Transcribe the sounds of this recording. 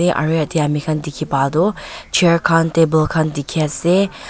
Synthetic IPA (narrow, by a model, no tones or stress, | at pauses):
eʔɐ̰ɹiɐt̪iɐmikʰand̪ikʰipad̪ot͡ʃʰeɹkʰant̪ebəlkʰand̪ikʰiase